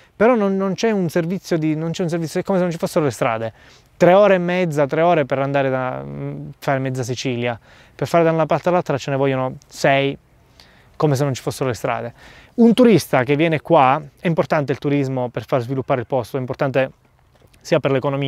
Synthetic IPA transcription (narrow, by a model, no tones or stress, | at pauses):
peɾɔnonːont͡ʃɛunservit̪sːjod̪inont͡ʃɛuns̬eɾrvit̪sjoɛkːomesenont͡ʃifosːeɾolest̪ɾa̰ːd̪e | t̪ɾeɔːɾeːmːɛd̪zːat̪ɾeɔːɾepeɾand̪aːɾed̪a | faːɾemɛd̪ːas̬it͡ʃilja | perfaːɾed̪aunapart̪ealalt̪ɾat͡ʃenevɔʎːonosɛj | komes̬enːont͡ʃi̥fosːeɾolest̪ɾa̰ːd̪eunt̪uɾist̪ak̟evːjɛːnekwaɛimport̪ant̪eilt̪uɾizmoperfarzvilupːaːɾeilpɔst̪oɛimport̪ant̪e | siːaperlekonomiːa